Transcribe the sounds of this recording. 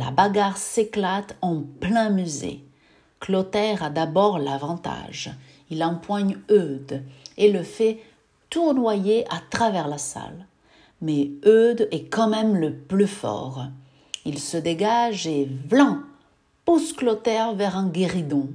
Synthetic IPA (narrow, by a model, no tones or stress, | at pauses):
la̰baɡaʁseklat̪ɑ̃plɛ̃myzḛ | klɔt̪ɛʁad̪abɔʁlavɑ̃t̪a̰ʒ | ilɑ̃pwaɲød̪eləfɛ | t̪uʁnwajeʔat̪χavɛʁlasa̰l | mɛød̪ɛkɑ̃mɛmləplyfɔ̰ʁ | ilsəd̪eɡaʒevlɑ̃ | pusklɔt̪ɛʁvɛʁɛ̃ɡʲeʁid̪ɔ̃